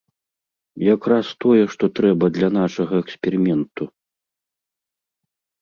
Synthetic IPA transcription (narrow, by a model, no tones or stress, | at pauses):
jakɾast̪ɔjɛʂt̪ɔt̪ɾɛbɐd̪lʲɐn̪aʂɐɣɐɛksʲpʲɛɾɨmʲɛnt̪u